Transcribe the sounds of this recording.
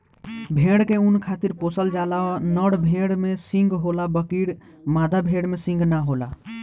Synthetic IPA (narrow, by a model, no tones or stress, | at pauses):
bʱẽɽkeunkʰat̪iɾposəld͡ʒalanəɽbʱẽɽmesĩŋɡɦolabəkiɽ | mad̪ʱabʱeɽmesĩŋɡnaɦola